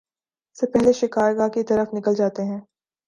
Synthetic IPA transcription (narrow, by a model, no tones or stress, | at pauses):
sepɛɦleʃɪkaːɾɡakit̪ɐɾəfnɪkəld͡ʒaːt̪eɦɛ̃ː